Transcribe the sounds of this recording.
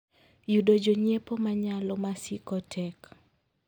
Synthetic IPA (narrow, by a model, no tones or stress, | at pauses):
judod͡ʒoɲepomaɲalɔmasikɔtʰɛk